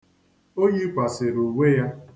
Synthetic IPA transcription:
o˦ɲi˦kʷa˨se˨ɾu˨we˦ja˦

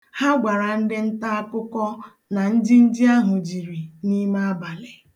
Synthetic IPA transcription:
ha˦ɡʷa˨ɾa˨n̩˦dɪ˦n̩˦ta˦a˦kʊ˦kɔ˦ | na˨n̩˦di˦n̩˦di˦a˦ɦʊ˨d͡ʒi˨ɾi˨ni˦ma˦ba˨lɪ˨

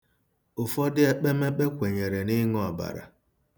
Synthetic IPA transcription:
ʊ˨fɔ˦dɪ˦e˦k͡pe˦me˦k͡pe˦kʷe˨ɲe˨ɾe˨nɪ˦ŋɔ˦a˨ba̰˨ɾa̰˨

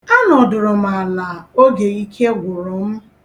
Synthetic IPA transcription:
a˦nɔ˨dʊ˨ɾʊ˨m̩a˨la˨o˦ɡe˨i˦kʰe˦ɡʷʊ˨ɾʊ˨m̩˦

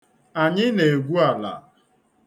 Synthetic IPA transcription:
a˨ɲɪ˦ne˨e˨ɡʷu˦a˨la̰˨

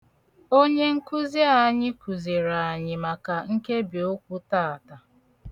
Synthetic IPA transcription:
o˦ɲe˦ŋ̩˦ku˦zi˦a˦˨˦ɲɪ˦kʷu˨zi˨ɾa˨a˨ɲɪ˨ma˨ka˨ŋ̩˦ke˦bi˨o˦kʷu˦ta˦˨a˨ta˨

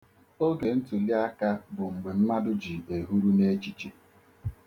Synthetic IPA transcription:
o˦ɡe˨n̩˦tu˨li˦a˦ka˦bʊ˨ŋ͡m̩˨ɡ͡be˨m̩˦ma˦dʊ˦d͡ʒi˨e˨ɦu˦ɾu˦ne˦t͡ʃi˨t͡ʃi˨

